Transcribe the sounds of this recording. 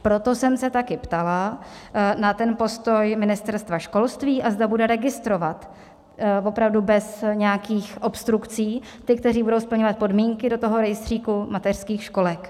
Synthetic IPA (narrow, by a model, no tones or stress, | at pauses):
pɾo̞t̪o̞sɛmsɛt̪akɪpt̪ala | nat̪ɛnpo̞st̪o̞jmɪnɪst̪ɛɾst̪vaʃko̞lst̪viːʔazd̪abudɛɾɛɡɪst̪ɾo̞vat̪ | vo̞pɾavdubɛsɲɛjakiːxʔo̞pst̪ɾukt͡siː | t̪ɪk̚t̪ɛɾiːbudowspl̩ɲovat̪̚po̞dmiːŋkɪdo̞t̪o̞ɦo̞ɾɛjɪst̪r̝̥iːkumat̪ɛr̥skiːxʃko̞lɛk